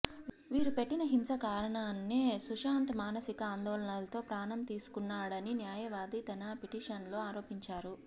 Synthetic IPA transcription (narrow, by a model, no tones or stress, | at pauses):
ʋiːɾupe̞ʈːinɐɦimsɐkaːɾɐɳaːnːeːsuʂaːnt̪maːnɐsikɐaːnd̪oːlɐɳɐlɐt̪o̞ːpɾaːnɐmt̪iːsu̥kunːaːɽɐninjaːjɐʋaːd̪it̪ɐnaːpeʈiːʂɐnlo̞ːaːɾo̞ːpiɲt͡ʃaːɾu